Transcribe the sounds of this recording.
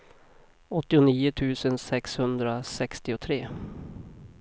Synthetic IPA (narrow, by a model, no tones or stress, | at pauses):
ɔt̪ːɪʊniːʊt̪ʰʉ̟ːsənsɛkshɵnd̪ɾasɛkst̪ɪʊt̪ʰɾeː